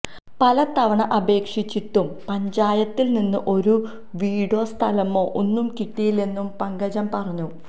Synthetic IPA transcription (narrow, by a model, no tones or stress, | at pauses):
pɐlɐt̪ɐʋɐɳɐʔɐbe̞ːkʂit͡ɕːiʈːumpɐɲd͡ʑaːjɐt̪ːilninːɨʔo̞ɾu | ʋiːɽo̞ːst̪ʰɐlɐmo̞ːʔonːumkiʈːijile̞nːumpɐŋɡɐd͡ʑɐmpɐrɐɲːu